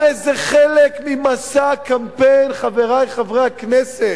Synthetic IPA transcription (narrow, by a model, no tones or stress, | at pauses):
ezeχɛlekmimasakampejnχaveʁajχavʁejaknɛse